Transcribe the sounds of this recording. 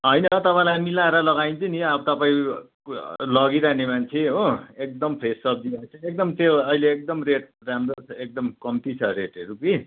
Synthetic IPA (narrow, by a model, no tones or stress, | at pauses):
ɦʌjnʌt̪ʌpãĩlajmilaeɾʌlʌɡaĩnt͡sʰʌniʌbʌt̪ʌpaĩ | lʌɡiɾaɦnemant͡sʰẽɦoek̚d̪ʌmpʰesʌb̚d̪iat͡sʰʌek̚d̪ʌmt̪joʌileːk̚d̪ʌmreʈ̚ | ɾamɾot͡sʰek̚d̪ʌmkʌmt̪it͡sʰʌɾeʈeɾuki